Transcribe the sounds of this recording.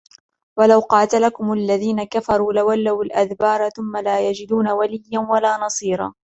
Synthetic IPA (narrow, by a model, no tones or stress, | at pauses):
walawqɑːt̪alakʊmlːaðiːnakafɑɾˤuːlawalːawalʔaðbɑːɾˤaθʊmːalaːjad͡ʒɪd̪uːnawalɪjːanwalaːnɑsˤiːɾˤɑ̰ː